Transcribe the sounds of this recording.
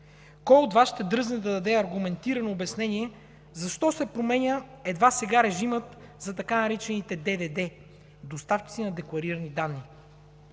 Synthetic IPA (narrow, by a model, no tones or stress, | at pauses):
kɔjod̪vaʃt̪ɛd̪ɾɤznɛd̪ɐd̪ɐd̪ɛɐɾɡumɛnt̪iɾɐnoːbɛsnɛniɛ | zɐʃt̪ɔsɛpɾomɛnʲəɛd̪vasɛɡaɾɛʒimət̪zɐt̪ɐkanɐɾit͡ʃɛnit̪ɛd̪ɛd̪ɛd̪ɛ | d̪ost̪aft͡ʃi̥t̪inɐd̪ɛklˠɐɾiɾɐnid̪anːi